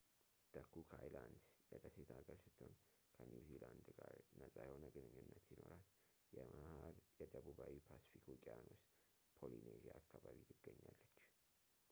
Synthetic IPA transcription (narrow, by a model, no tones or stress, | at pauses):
t̪ʰəkːukʰajland̪sjɛd̪əset̪ʰaɡəɾsɨt̪ʰːo̞n | kʰənjuziland̪ɡaɾnəsʼajɛhonəɡɨnɨɲːunːət̪sino̞ɾat̪ | jɛmahaɾjɛd̪əβuβawipʰasi̥fikʰokʼijanos | pʰolineʒiaːkːaβaβit̪ʰɨɡːəɲːalːət͡ʃː